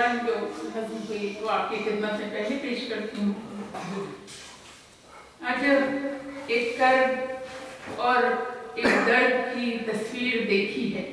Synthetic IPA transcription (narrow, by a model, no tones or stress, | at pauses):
and͡ʒoːmɐɡʊkeʋoaːp̚kexɪd̪mət̪mẽpɛɦlepeːʃkɐɾt̪iɦɦoi | ad͡ʒɐ | eːkk̪ɐɾb | ɔːɾeːkd̪ɐɾd̪kit̪ɐswiːɾd̪eːkʰiɦɛː